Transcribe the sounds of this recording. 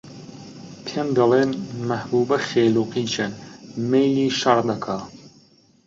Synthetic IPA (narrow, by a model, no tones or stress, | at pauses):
pʰend̪ɐleːnmɐhbuːbɐxeːluːqiːt͡ʃʰɐnmejliːʃɐɾd̪ɐkʰaː